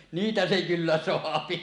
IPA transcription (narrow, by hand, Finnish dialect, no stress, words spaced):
niːtæ se kylːæ soɑpi